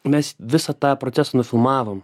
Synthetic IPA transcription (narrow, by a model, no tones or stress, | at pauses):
mʲɛsʋʲɪsɐt̪ɑːpɾɔtsʲæsɐnʊfʲɪlˠmɑːʋoːm